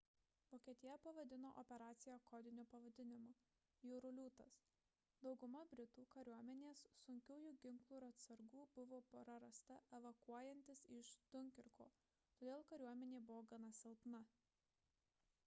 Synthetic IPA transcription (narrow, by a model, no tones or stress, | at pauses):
ʋoːkʲiɛt̪ʲɪjɛpɐʋɐd̪ʲɪno̰ːʔɔpʲɛɾɑːt̪sʲɪjɛkɔːd̪ʲɪnʲʊpɐʋɐd̪ʲɪnʲɪmoː | juːɾʊlʲuːt̪ɐs | d̪ɒʊɡʊmɐbʲɾʲɪt̪uːkɐɾʲuɔmʲɛnʲeːssʊŋʲkʲuːjuːɡʲɪŋklˠuɪɾɐt̪sɐɾɡuːb̥ʊʋoːpɾɐɾɐst̪ɐɛʋɐkuɔjɛnʲt̪ʲɪsɪʃt̪ʊŋʲkʲɪɾko̰ː | t̪oːd̪ʲeːlˠkɐɾʲuɔmʲɛnʲeːbʊʋoːɡɐnɐsʲɪlˠpnɐ